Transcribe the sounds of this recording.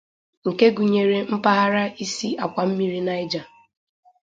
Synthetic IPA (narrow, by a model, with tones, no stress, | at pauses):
ŋ̩˨ke˦ɡu˨ɲe˨ɾe˨m̩˦pa˦ɦa˦ɾa˦i˦si˦a˨kʷa˨m̩˦mi˦ɾi˦na˦ɪ˦d͡ʒa˨